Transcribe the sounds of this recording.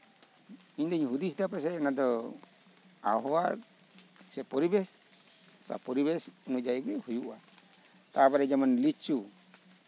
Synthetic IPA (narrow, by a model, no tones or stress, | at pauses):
iɲd̪ɔɲɦud̪isd̪apɛs̬ɛnad̪ɔ | a̰ɦɔwa | sɛpɔɾibɛs | ka̰pɔɾibɛsunɔd͡ʒaiɡɛhujuʔa | t̪abaɾɛd͡ʒamanlit͡ʃu